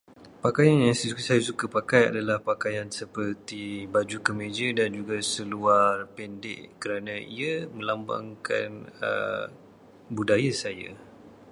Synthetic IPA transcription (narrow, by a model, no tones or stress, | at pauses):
pakajanjaŋssajasukapakaja̰dalahpakajansəpərt̪ibad͡ʒukəmẽd͡ʒədand͡ʒuɡasəluarpɛndɛ̰ʔkəɾanãḭamə̃lamba̰ŋka̰nə̰ | budajasaja̰